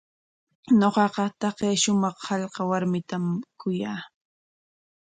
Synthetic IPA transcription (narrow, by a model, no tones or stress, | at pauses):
ɲoqɑqɑt̪ɑqeːʃʊmɑχhɑʎqɑwaɾmɪt̪amkʊjaː